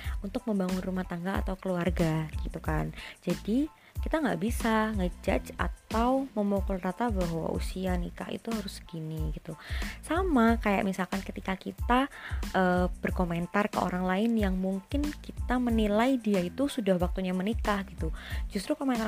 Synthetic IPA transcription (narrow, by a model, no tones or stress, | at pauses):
unt̪ʊk̚məmbaŋʊnrumaht̪aŋɡaa̰t̪awkəluarɡaɡit̪ukand͡ʒadi | kit̪aŋɡaʔbisaŋəd͡ʒa̰t͡ʃa̰t̪awməmokʊlrat̪abaɦwa̰ʔṵsianḭkahḭt̪uɦaɾʊsɡ̥iniɡit̪usamakaja̰ʔmisalkankət̪ikakit̪aʔəːb̥ərkoment̪arkə̰ʔo̰ɾaŋlaɪnjaŋmuŋkɪnkit̪amənilaidiait̪usudahwak̚t̪uɲamənikahɡit̪ud͡ʒust̪ɾukomɛnt̪